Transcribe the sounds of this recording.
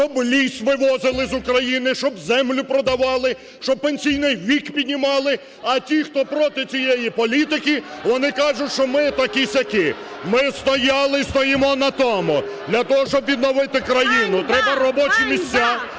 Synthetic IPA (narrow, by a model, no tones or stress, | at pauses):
t͡ʃɔblʲisʲʋɪʋɔzɪlˠɪzʊkɾɐjinɪʃt͡ʃɔbzɛmlʲʊpɾɔd̪ɐʋɑlˠɪ | ʃt͡ʃɔb̚penʲsʲijnɪjʋʲikpʲid̪ʲnʲimɑlˠɪ | ɐtʲixt̪ɔpɾɔt̪ɪt͡sʲijejipɔlʲit̪ɪkʲiʋɔnɪkɑʐʊtʲʃt͡ʃɔmɪt̪ɐkɪsʲɐkɪ | mɪst̪ɔjɑlˠɪst̪ɔjimɔnɐt̪ɔmʊd̪lʲɐt̪ɔɦɔʃt͡ʃɔbʋʲid̪nɔʋɪt̪ɪkɾɐjinʊt̪ɾɛbɐɾɔbɔt͡ʃimʲisʲt͡sʲːa